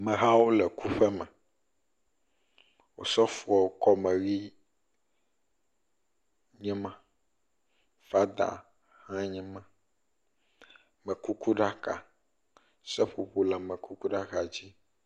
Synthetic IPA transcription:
mɛ̃˨ɦa˦wo˦lɛ˨ku˦ɸɛ˦mɛ̃˨ | wo˨sɔ˦fu˦˨a˨wo˦kɔ˦mɛ̃˨ɣi˦ | ɲɛ̃˦mã˦ | fa˦d̪a̰˨ | hã˦ɲɛ̃˦mã˦ | mɛ̃˨ku˦ku˦ɖa˦ka̰˨ | sɛ˦ɸu˨ɸo˦la˨mɛ̃˨ku˦ku˦ɖa˦ɣa˨d͡ʑi˦

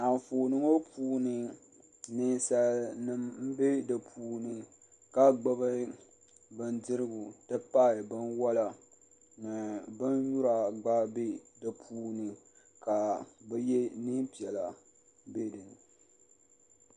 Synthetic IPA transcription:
a˨n˨fo˨nɨ˦ŋo˦pʰuː˦nɨ˨ | nɨ˦n˦sa˦lnɨ˦mm̩˦be˦dɨ˨pʰuː˦nɨ˨ | ka˦ɡ͡ba˦bɨ˦ | bɨ˦ndɨ˦ɾɨ˦ɡʊ˨tɨ˦pa˦˨bɨ˦nwa˦la˨ | nɨ˨bɨ˦nju˦ɾa˨ɡ͡ba˦be˦dɨ˨pʰuː˦nɨ˨ | ka˨bɛ˦jɛ˦nɨ˦pi˨ɛ˨la˨ | be˦dɨ˨n˨

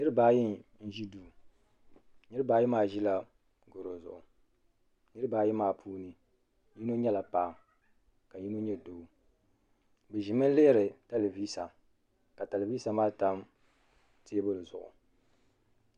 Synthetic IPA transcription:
nɨ˦ɾɨ˦baː˨˦ji˦nn̩˦ʒi˦duː˦˨ | nɨ˦ɾɨ˦baː˨˦ji˦maː˦˨ʒi˦la˨ | ɡʊ˨ɾo˨zʊ̰˨ʔʊ˨ | nɨ˦ɾɨ˦baː˨ji˦maː˨pʰuː˦nɨ˦ | ji˦no˦ɲɛ˦la˨paː˨ | ka˨ji˦no˦ɲɛ˦doː˨˦ | bɛ˨ʒi˨mɨ˦n˦le˦ɾɨ˨ta˦le˨viː˦sa˨ | ka˨ta˨le˨viː˦sa˨maː˦ta˦m | te˦bʊ˦lzʊ˨ʔʊ̰˨

